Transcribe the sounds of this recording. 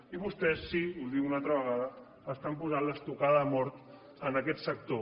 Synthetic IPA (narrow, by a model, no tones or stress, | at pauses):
iβust̪ɛsːiulˠd̪iunalˠt̪ɾəβəɣaðə | əst̪ampuzanləst̪ukaðmɔɾt̪ | ənəkɛt̪sək̚t̪o